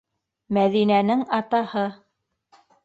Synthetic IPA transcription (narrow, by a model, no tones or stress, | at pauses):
mæðinænɘŋɑt̪ɑhɤ